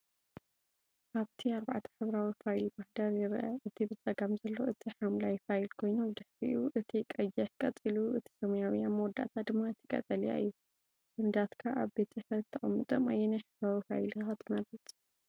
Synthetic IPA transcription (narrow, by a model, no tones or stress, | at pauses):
ʔaβt̪ʰiaɾba̰ʕt̪ʰɐ̥ħɨβɾawifajlbahd̪aɾjɪɾʔɐʔɨt̪ʰibɨt͡sʼɐɡamzɐlːo̞ʔɨt̪ʰiħamlajfajlkʰo̞jnomɨd̪ɨħɾḭuʔɨt̪ʰikʼɐjakʼɐt͡sʼiluʔɨt̪ʰi̥sɐmɐjawiamɐwɔd̪ːa̰t̪ʰat̪ɨmːaɨt̪ʰɪkʼɐ̰t̪ʼɐlija̰ɨ̰jːu | sɨnd̪at̪kʰaʔaβbet̪ħfɐlk̚t̪ʰːɐχʼɐmːɨt̪ʼoma̰jːɛnajħɨβɾawifa̰jlxat̪ʰmɐd̪ɾɐt̪ʼ